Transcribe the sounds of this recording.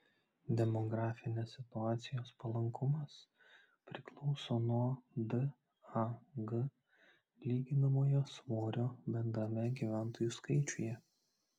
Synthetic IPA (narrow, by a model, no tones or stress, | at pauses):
d̪ʲɛmɔɡɾɑːfʲɪnʲeːsːʲɪt̪ʊɑːt̪sʲɪjoːspɐlˠɐŋkʰʊmɐs | pʲɾʲɪklˠɒʊsoːnuɔd̪ɨ | ɐɡə | lʲiːɡʲɪnɐmoːjoːsmoːɾʲoːbʲɛnd̪ɾɐmʲɛɡʲiːʋʲæˑnt̪oːjuːˑskɐɪt͡ʃʲʊjɛ